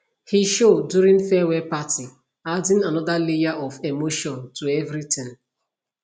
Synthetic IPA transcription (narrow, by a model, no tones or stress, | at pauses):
hiʃoduɾĩnfɛwɛpati | adɪ̃nanɔdalijaʔɔvemoʃɔ̃ntuevɾitɪ̃n